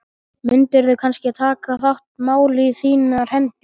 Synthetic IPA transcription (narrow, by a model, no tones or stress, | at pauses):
mʏnt̪ɪɛɾðʏkʰanscɪt̪ʰaːkaθawht̪̚maːwlɪθiːnar̥ɛnt̪ɪ